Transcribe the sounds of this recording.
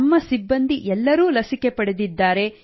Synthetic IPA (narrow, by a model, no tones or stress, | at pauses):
mːɐsibːɐnd̪iʔɛlːɐɾuːlɐsike̞pɐɽed̪id̪ːaːɾe̞